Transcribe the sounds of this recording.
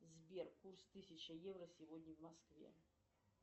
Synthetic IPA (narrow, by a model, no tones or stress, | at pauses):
zʲbʲɛrkurst̪ɨsʲɐt͡ɕɐjɛwrɐsʲivɔd̪ʲnʲiwmaskvʲɛ̰